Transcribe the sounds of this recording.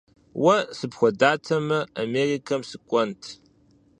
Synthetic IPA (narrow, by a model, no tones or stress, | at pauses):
wɐsɨpxʷɔdaːtʰɐmɐameːrikʰɐmsɨkʷʼɔntʰ